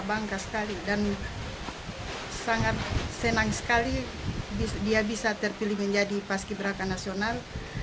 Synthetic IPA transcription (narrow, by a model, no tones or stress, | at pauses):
baŋkasə̥kalidan | saŋat̪̚senaŋsə̥kali | bidiabisat̪ɛrpiliməɲd͡ʒadipaskibəɾakanasional